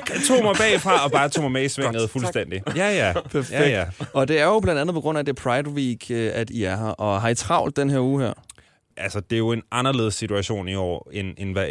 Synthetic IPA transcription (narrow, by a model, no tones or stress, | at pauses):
t͡sʰo̝̰ːmɑ̈ɪb̥ɛ̰ɪfʁɑ̈ɒ̽b̥ɑ̈ːt͡sʰo̝̰ːmameisʋeŋ̰ð̩ˠfulsd̥en̰d̥ijæjæpʰæɐjeɡj̥æ̥ɒ̽d̥e̝æɐjo̝b̥lænd̥ænð̩ˠpʰɒ̽ɡʁɔ̽n̰æd̥epʰʁɑ̈ɪd̥wiːɡ̥æd̥iæɐɦɑʔɒ̽ɦɑ̈it͡sʰʁɑ̈ʊ̰ld̥d̥enɦeɐ̰uːɦeɐ̰ | ʔælsəd̥e̝jo̝e̝nʔɑ̈nɐle̝ð̞̩ˠsːit͡sʰuæɕo̝̰ːniɒ̰ːenenʋæ